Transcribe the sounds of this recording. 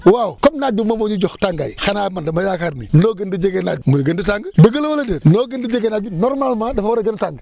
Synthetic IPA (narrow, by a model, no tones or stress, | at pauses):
wawukomnad͡ʒumomoɲud͡ʒoxtaŋɡa̰jixanamandəmajakaɾnḭnoɡəndid͡ʒeɡenad͡ʒumuɡənditaŋɡdəɡəlwolediɾnoɡəndid͡ʒeɡenad͡ʒunoɾmalmadefawɾeɡəntaŋɡ